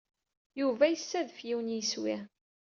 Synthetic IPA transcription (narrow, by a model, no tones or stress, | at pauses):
juvæjəsːæðfjiwənjiswɪ